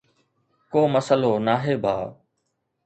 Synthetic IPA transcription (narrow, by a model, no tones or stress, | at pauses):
koːməsəloːnaːɦeːbʱaː